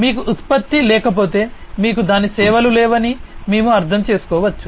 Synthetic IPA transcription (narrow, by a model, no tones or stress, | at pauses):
miːkuʔːt̪pɐt̪ːilɛːkɐp̬o̞ːt̪e̞ː | miːkud̪aːnisɛːʋɐlulɛːʋɐnimeːmuɐɾt̪ʰɐmt͡ʃe̞ːsu̥kɔːʋɐt͡ʃːu̥